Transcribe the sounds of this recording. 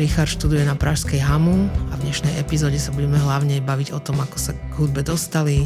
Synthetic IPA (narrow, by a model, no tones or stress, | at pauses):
ɾixaɾʃt̪ud̪ujɛnapɾaʃskɛjɦamuavɲɛʃnɛjɛpizɔːɟɛsabuɟɛmɛɦlaʊɲɛbaʋiɟɔt̪ɔmakɔ̥saɡ̥ɦud̪̚bɛd̪ɔst̪ali